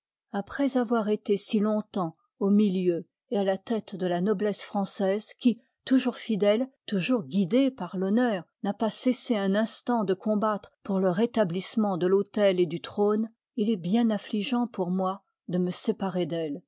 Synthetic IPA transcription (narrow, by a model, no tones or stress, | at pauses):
apχɛzavwaʁet̪esilɔ̃t̪ɑ̃ | omiljø | ealat̪ɛt̪d̪əlanɔblɛsfχɑ̃sɛzkʲi | t̪uʒuʁfid̪ɛlt̪uʒuʁɡʲid̪epaʁlɔnœːʁnapaseseɛ̃nɛ̃st̪ɑ̃d̪əkɔ̃bat̪χpuʁləʁet̪ablismɑ̃d̪əlot̪ɛled̪yt̪χon | ilɛbjɛ̃nɛ̃fliʒɑ̃pʰuʁmwa | d̪əməsepaʁed̪ɛl